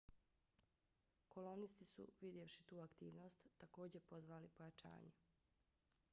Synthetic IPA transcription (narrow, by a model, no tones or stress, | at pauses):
ko̞lo̞nist̪isṵʋid̪jefʃit̪uːakt̪iːʋno̞ːst̪ːako̞ːd͡ʑepo̞zʋaːlipo̞jat͡ʃa̰ːɲe